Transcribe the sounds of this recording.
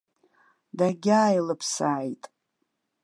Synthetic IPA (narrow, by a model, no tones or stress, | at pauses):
daɡʲaːjlɨpʰsaːjtʼ